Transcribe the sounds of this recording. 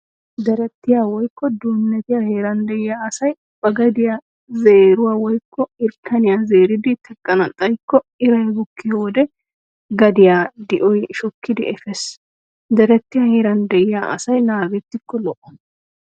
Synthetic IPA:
d̪ɛɾɛt̪ːɪjaːwɔjkːɔd̪uːnːɛt̪ɪjaheːɾɐnd̪ɛʔɪjaːɐsɐj | bɐɡɐd̪ɪja | ze̞ːɾʊwaːwɔjkːɔɪɾkʰːɐnɪjazeːɾɪd̪ɪt̪ɛkʼːɐnɐt̪ʼːɐjkːɔɪɾɐjbʊkːɪjoːd̪ɛ | ɡɐd̪ɪjad̪ɪʔɔjʃɔkːɪd̪ɪʔɛfɛs | d̪ɛɾɛt̪ːɪjahe̞ːɾɐnd̪ɛjɪjaːʔɐ̰sɐjnaːɡɛt̪ːɪkːɔlɔʔɔ̥

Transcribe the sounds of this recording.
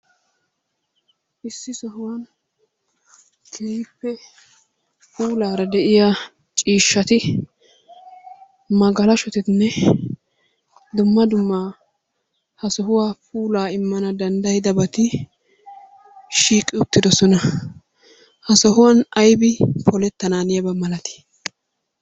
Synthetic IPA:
ʔɪsːɪsɔɦʊwɐn | k̪ʰeːjɪpːɛ | puːlaːɾɐd̪ɛʔɪjaː | t͡ʃʼiːʃːɐt̪ɪ | mɐɡɐlɐʃɔt̪ɪt̪nːɛ | d̪ʊmːɐd̪ʊmːaː | hɐsɔɦʊwaːpʼuːlaːɪmːɐnɐd̪ɐnd̪ɐjɪd̪ɐbɐt̪ɪ | ʃiːkʼːɪʊt̪ːɪd̪ɔsɔnɐ | hɐsɔɦʊwɐnɐjbɪpʰɔlɛt̪ːɐnaːnɪjɐbɐmɐlɐt̪ɪ̥

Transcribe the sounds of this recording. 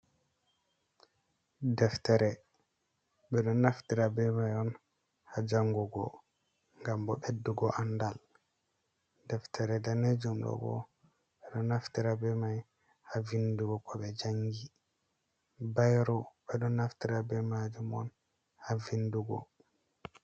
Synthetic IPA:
dɛftɛɾɛ | ɓɛɗɔnːaftiɾabɛmajɔn | had͡ʒaŋɡuɡɔ̰ | ŋɡambɔɓedːuɡɔʔanːdal | dɛftʰɛɾɛdaned͡ʒumɗɔ̰bɔ̰ | ɓɛɗɔnaftiɾabɛmaj | havinduɡɔkɔɓɛd͡ʒaŋɡi | bajɾɔɓɛɗɔnːaftiɾabɛmad͡ʒumɔ̰n | havinduɡɔ̰

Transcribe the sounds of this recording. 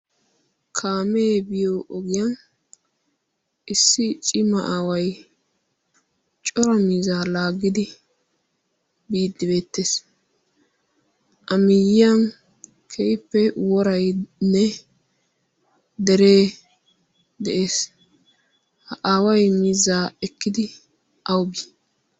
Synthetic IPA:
kʰaːmeːbɪjoʔɔɡɪjan | ʔɪsːɪt͡ʃʼɪmɐʔaːwɐj | t͡ʃʼɔɾɐmiːzaːlaːɡːɪd̪ɪ | biːd̪ːɪbe̞ːt̪ːeːs | ʔɐmɪjɪjɐn | kʰɛjɪpːɛwɔɾɐjnɛ | d̪ɛɾe̞ː | d̪ɛʔe̞ːs | hɐʔaːwɐjmiːzaːɛkːɪd̪ɪ | ʔɐwbi

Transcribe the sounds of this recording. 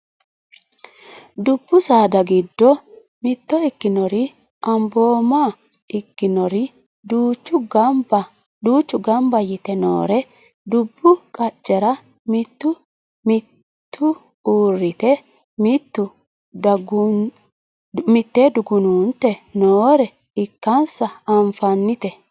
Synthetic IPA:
d̪ʊbːʊsaːd̪ɐɡɪd̪ːɔ | mɪt̪ːɔɪkːɪnɔɾɪ | ɐmbo̞ːma | ɪkːɪnɔɾɪ | d̪uːt͡ʃːʊɡb | d̪uːt͡ʃːʊɡɐmbɐjɪt̪ɛno̰ːɾɛ | d̪ʊbːʊkʼɐt͡ʃʼːɛɾɐ | mɪt̪ːʊ | mɪ | t̪ʰːʊ | uːrːɪt̪ɛ | mɪt̪ːʊ | ɡ | mɪt̪ːeːd̪ʊɡʊnuːnt̪ɛnoːɾɛ | ɪkːɐnsɐɐɱfɐnːɪt̪ɛ

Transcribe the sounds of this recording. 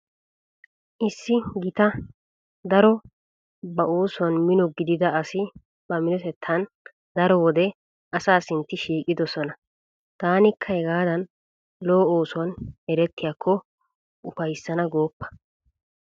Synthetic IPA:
ʔɪsːɪɡɪt̪ɐ | d̪ɐɾɔ | bɐʔoːsʊwɐnmɪnɔɡɪd̪ɪd̪ɐɐsɪ | b̥ɐmɪnɔt̪ɛt̪ʰːɐn | d̪ɐɾɔwɔd̪ɛ | ʔɐsaːsɪnt̪ːɪʃiːkʼɪd̪ɔsɔnɐ | t̪aːnɪkʰːɐhɛɡaːd̪ɐn | loːoːsʊwɐnɛɾɛt̪ːɪjaːkʰːɔ | ʊfɐjsːɐnɐɡo̞ːpːɐ̥

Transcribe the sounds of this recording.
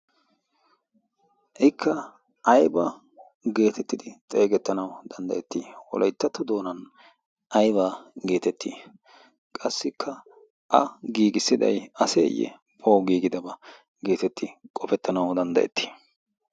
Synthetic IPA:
ʔɪkʰːɐ | ʔɐjbɐ | ɡe̞ːt̪ɛt̪ːɪd̪ɪt̪ʼe̞ːɡɛt̪ːɐnɐwd̪̥ɐnd̪ɐ̰ʔɛt̪ːiːwɔ̰lʔɐjt̪ːɐt̪ːʊd̪o̞ːnɐn | ʔɐjbaːɡe̞ːt̪ɛt̪ːiː | kʼɐsːɪkʰːɐ | ʔɐ̰ɡiːɡɪsːɪd̪ɐ̰jɐsḛːjːɛ̰ | pʰo̞ːɡiːɡɪd̪ɐbɐ | ɡe̞ːt̪ɛt̪ːɪkʼɔfɛt̪ːɐnɐwd̪ɐnd̪ɐʔɛ̰t̪ʰːi̥ː

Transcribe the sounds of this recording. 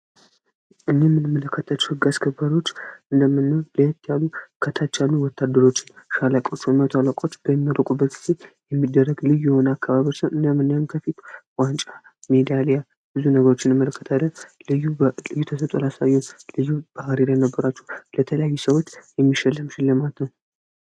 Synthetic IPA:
ʔɨnːemːɨnɨmːələkːət̪ʰat͡ʃːɛ̥hɨɡːaskʰəbaɾo̞t͡ʃːʔɨnd̪əmːɨnːəwləht̪ʰːjalːukʰət̪ʰat͡ʃalːuwɔt̪ʰːad̪ːəɾo̞t͡ʃːɪ̥nʃalakʼo̞t͡ʃːmət̪ʰalakʼo̞t͡ʃːb̥əmːəɾəkʼubːət̪ɡɨzejɛmːid̪ːərːəɡlɨjjɛho̞nəakʰːaβaβiot͡ʃːsəwɨnd̪əmːɨnːawnkʰəfit̪wʼant͡ʃʼamed̪ijalejal | bɨzunəɡəɾo̞t͡ʃːɪnɨmːələkʰːə̥t̪ʰad̪əlɨjulɨjːut̪ʰəsət̪ʼolasajːonlɨjːub̥ahɾeɾajnəbːəɾat͡ʃːɛhlət̪ʰələjajːusəwo̞t͡ʃːjɛmːiʃɛlːɨmʃɪlːɨmat̪nəw

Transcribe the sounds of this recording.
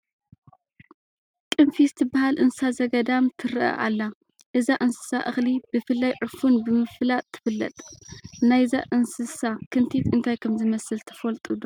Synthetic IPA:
kʼɨmfisɨt̪ʰɨbːahalʔɨnsɨsazɐɡɐd̪amt̪ʰɨɾʔɐ̰ʔa̰lːa | ʔɨzaʔɨnsɨ̥sa̰ʔɨxlibɨfɨlːajʕʊfunbɨmɨfɨlat̪ʰːɨ̥fɨlːɐ̰t̪ʼnajzaʔɨnsɨsakʰɨnt̪ʰit̪ɨnt̪ʰajkʰɐmzɨmɐsɨlt̪ʰɐ̥fɐlt̪ʼud̪o

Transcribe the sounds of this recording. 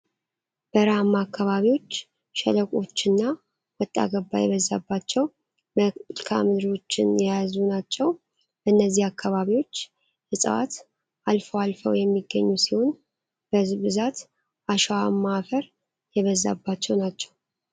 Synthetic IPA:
b̥əɾamaːkːaβaβiwo̞t͡ʃː | ʃɛləkʼo̞t͡ʃːɨnːa | wɔt̪ʼːa̰ɡəbːa̰jɛβəzːabːat͡ʃːɛw | mlkʰamɨd̪ɾo̞t͡ʃːɪnjjazunat͡ʃːɛw | bənːəzːihakʰːaβaβiwo̞t͡ʃː | jɛsʼə̰wa̰t̪ | alfəwalfəwjɛmːiɡːəɲːusiho̞n | b̥əzβɨzat̪ | ʔaʃwamːafəɾ | jɛβəzːa̰bːat͡ʃːɛwnat͡ʃːɛ̥w

